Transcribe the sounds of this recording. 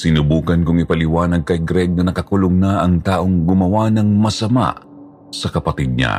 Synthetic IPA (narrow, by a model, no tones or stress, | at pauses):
sɪnʊbuːkɐnkʊŋɪpɐlɪwaːnɐɡ̚kɐjɡɾɛɡ̚nɐnɐkɐkʊloŋnaʔɐŋt̪aːʔo̞ŋɡʊmɐwanɐŋmɐsɐma̰ʔ | sɐkɐpɐt̪id̪̚ɲa̰